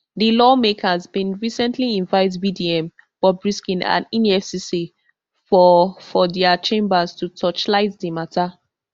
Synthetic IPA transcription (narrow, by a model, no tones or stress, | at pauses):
dilɔmekʰazbĩnɹisɛ̃ntʰliĩnvaɪtvidiɛ̃m | b̥ɔbɹiskĩnã̰nĩnɛfsisi | fɔfɔdɛat͡ʃẽmbaztutʰɔt͡ʃlaɪtdimatʰa